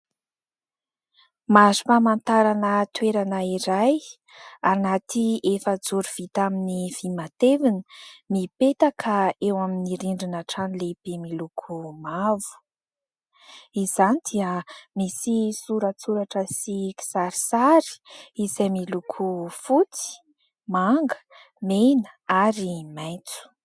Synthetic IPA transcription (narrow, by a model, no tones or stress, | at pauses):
mazu̥pamant̪aɾanət̪weɾanəiɾaj | anat̪iefəd͡zuɾuv̥it̪aminiv̥imat̪evinmipet̪akʰəewaminiɾiɳɖ͡ʐinaʈ͡ʂanileb̥emilukʰumavu̥ | izanid̪̥iəmisisuɾat͡suɾaʈ͡ʂəsiki̥saɾi̥saɾi̥izajmilukʰufut͡si̥ | maŋɡə̥ | menə̥aɾimajt͡su̥